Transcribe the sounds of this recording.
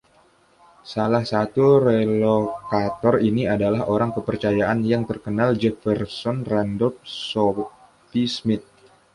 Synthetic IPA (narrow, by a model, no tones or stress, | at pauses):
salahsat̪uɾelokat̪ɔriniadalahoɾaŋkəpərt͡ʃajaʔanjaŋt̪ərkənald͡ʒɛfərsɔnraɛndɔlp̚sɔ | fismɪt̪̚